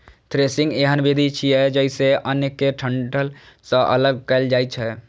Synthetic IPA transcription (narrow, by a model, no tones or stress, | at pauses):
t̪ɾesɪ̃ŋɡeɦənbed̪ʱit͡ʃʰiɛd͡ʒəɪseʔənekːeʈʰəɳʈəl | səʔə̰ləɡ̚kəld͡ʒaːɪt͡ʃʰɛ